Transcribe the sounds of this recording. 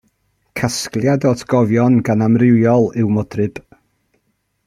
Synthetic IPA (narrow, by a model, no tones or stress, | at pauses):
kʰasklˠjadɔtʰɡ̥ɔvjɔnɡanamrɪwjɔlˠɨwmɔdrɨb̥